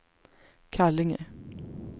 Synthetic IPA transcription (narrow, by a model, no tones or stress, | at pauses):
kʰælɪŋə̰